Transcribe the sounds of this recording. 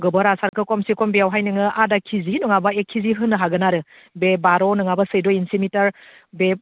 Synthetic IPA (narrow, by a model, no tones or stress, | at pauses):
ɡɯbɔɾasaɾkʰɯkɔmsikɔmbiawɦajnɯŋɯʔadakʰizinuŋabaekʰːiziɦɯnːɯɦaɡɯnaɾɯ | bebaɾɔnɯŋabɐsɯjdɔinsimitɐɾ | be